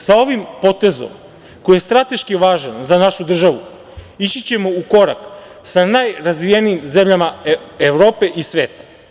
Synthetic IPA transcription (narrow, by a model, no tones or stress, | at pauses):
sao̞ʋimpo̞t̪e̞zo̞̰m | ko̞jije̞st̪ɾat̪e̞ʃkiʋaːʒanzanaʃud̪r̩ʒaʋu | it͡ɕit͡ɕe̞mo̞uko̞ɾak | sanajɾazʋijenijimze̞mʎamaeʋɾo̞ːpe̞ʔisʋe̞ːt̪ḁ